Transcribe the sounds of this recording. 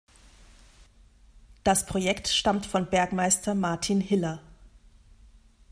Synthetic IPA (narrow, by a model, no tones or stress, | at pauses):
d̥aspʁ̥ojɛktʃtamtfɔnbɛɐkmaɪstʰɐmaɐtʰinhɪlɐ